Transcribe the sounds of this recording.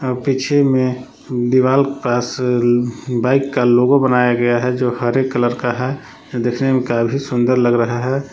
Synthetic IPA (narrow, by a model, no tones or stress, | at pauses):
pit͡ʃʰemẽ | d̪iʋaːlkepaːs | baːɪkːaloːɡõbənaːjaɡɐjaɦɛd͡ʒoːhəɾeːkːələɾkaɦɛ | d̪eːkʰnemẽkabʱisʊ̃nd̪əɾləɡɾɐɦaɦɛ